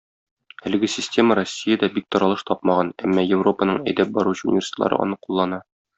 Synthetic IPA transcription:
ælɘ̆ɡɘsʲɪsʲtʲe̞məɾosʲːijəd̪ɒbik̚t̪ɒɾɑlˠɤʃt̪ɒp̚mɑʁɑnæmːɑjɪvro̞pənɤɴæjd̪æp̚bɒɾuɕɘṵnʲɪvʲersʲi̥t̪lˠɑ̰ɾɤ̰ʔɒ̰nɤqulˠːɑnɑ

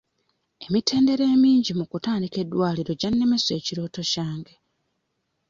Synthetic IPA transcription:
e̞mitʰe̞ːnde̞ɾe̞ːmiːɲɟimukutaːndike̞dːwaːliɾo̞ɟanːe̞me̞swe̞ːciɾo̞ːto̞caːŋɡe̞

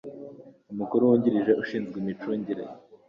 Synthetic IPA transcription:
umukuɾuwuɲɟiɾiʒeʔuʃiːnzɡimit͡ʃoɲɟiɾḛ

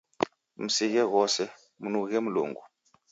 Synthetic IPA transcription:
m̩siɣɛɣɔsɛ | munuɣɣɛmulṵːŋɡu

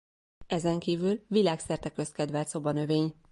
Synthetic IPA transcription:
ɛzɛŋkiːvylvilaːksɛrt̪ɛkø̞st̪kɛd̪vɛlt̪so̞bɒnø̞veːɲ

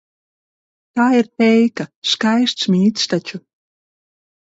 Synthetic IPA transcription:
t̪aːiɾt̪ɛjkaskajst̪smʲiːt̪st̪at͡ʃu

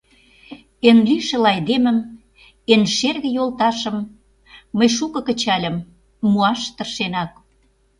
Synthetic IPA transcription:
enliʃə̆lɑjd̪emə̆m | enʃerɣə̆jolt̪ɑʃə̆mː | əjʃukɤ̆kə̆t͡ɕɑlʲə̆mː | uɑʃt̪ə̆rʃenɑk̚

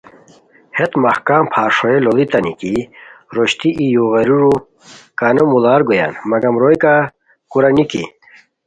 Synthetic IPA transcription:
het̪mɐhkaːmpʰaːɾʂoelolit̪ɐnikiɾoɕt̪iʔijuɣɐɾuɾu | kanomulaːɾɡoja̰ːnmɐɡɐmɾojka | kuɾɐnikḭ

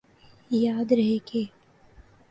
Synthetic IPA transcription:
jaːd̪ɾɐɦekeː

